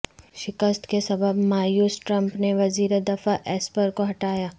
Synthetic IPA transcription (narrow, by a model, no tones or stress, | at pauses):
ʃɪkəst̪kesɐbəbmaːjuːsʈɾɐ̃mpneʋɐziːɾed̪ɐfaʔɛːspəɾkoɦɐʈaːjaː